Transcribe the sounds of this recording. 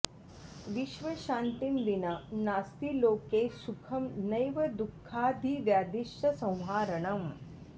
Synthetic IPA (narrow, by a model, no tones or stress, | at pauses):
ʋiʃʋɐʃãːnt̪imd̪inɐnaːst̪iloːkeːsukʰɐmnɐjʋɐd̪ukʰːaːd̪ʱiʋjaːd̪iʃʈɐsɐ̃w̃ɦaːɾɐɳɐm